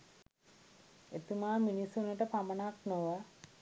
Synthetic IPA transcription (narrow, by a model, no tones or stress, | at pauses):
et̪umaːminisunəʈəpamənaknoʋa